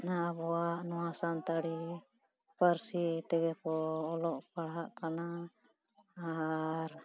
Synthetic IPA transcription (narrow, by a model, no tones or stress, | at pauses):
naabɔaʔnɔwasant̪aɽi | pəɾsit̪ɛɡɛpɔːlɔʔpaɽɦaʔkana | ɾ